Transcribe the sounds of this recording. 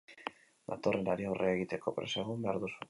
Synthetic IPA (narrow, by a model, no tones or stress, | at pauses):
d̪at̪o̞re̞naɾiawreaeɣit̪e̞ko̞pɾe̞seɣumbe̞aɾðusu